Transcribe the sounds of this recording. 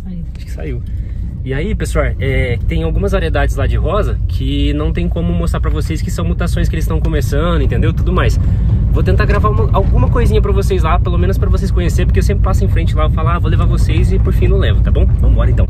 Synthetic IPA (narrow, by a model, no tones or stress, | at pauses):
aiaʃʊ̥kɪ̥sa̰iw | ɪaipesʊɔɾɛt̪ẽj̃awɡũmɐzvaɾied̪ad͡ʒɪzlad͡ʒɪɦɔzɐkʰɪnɐ̃w̃t̪ẽj̃kõmʊmost̪ɾaɾpɾɐvoseskɪ̥sɐ̃w̃mut̪asõj̃s̬kɪelɪst̪ɐ̃w̃kõmesɐ̃d̪ʊɪẽnẽnd̪ewt̪ud̪ʊmajsvot̪̬ẽnt̪aɾɡɾavaũmɐʔawɡũmɐkojzĩɲɐpɾɐvosejzlapelomẽnʊspɾɐvos̬ejskõɲeseɾp̬oɾkewsẽmpɾɪpasʊẽj̃fɾẽnt͡ʃɪlaevofalavolevaɾvosejzɪpoɾfĩnɐ̃w̃lɛvʊt̪abõw̃vɐ̃mʊbɔɾɐẽt̪ɐ̃w̃